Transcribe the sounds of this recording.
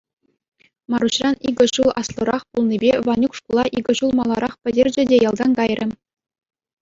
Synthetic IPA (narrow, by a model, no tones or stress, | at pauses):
mɑɾuɕrɑniɡʲɘ̆ʑulˠɑslˠɤ̆ɾɑχpulˠnʲibʲeʋɑnʲukʂkulˠɑʔiɡʲɘ̆ʑulˠmɑlˠːɑɾɑχpʲɘ̆dʲerʲd͡ʑɘ̆dʲejɑlˠd̪ɑnɡɑjrʲʔɘ̆